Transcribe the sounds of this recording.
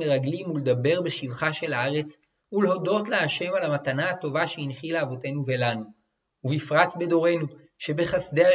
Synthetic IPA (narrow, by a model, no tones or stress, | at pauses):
eʁaɡlimuled̪abe̞ʁbeʃivχaʃe̞laaʁe̞t͡s | uleho̞do̞tleaʃe̞malamatanaato̞vaʃeinχilaːvo̞te̞nuve̞lanu | uvifʁatbe̞do̞ʁe̞nu | ʃe̞be̞χasde̞a